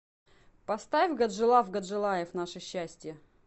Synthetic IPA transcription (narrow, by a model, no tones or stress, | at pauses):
pɐst̪avʲɡɐd̪ʐɨlˠafɡɐd̪ʐɨlˠajɪfnaʂɨɕːæsʲtʲɪjə